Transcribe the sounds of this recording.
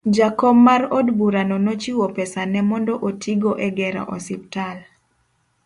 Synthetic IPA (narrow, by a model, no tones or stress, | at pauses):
d͡ʒakɔmːaɾodbuɾanɔnot͡ʃiwɔpɛsanɛmɔndɔʔotʰiɡɔʔɛɡɛɾa̰ʔɔsiptal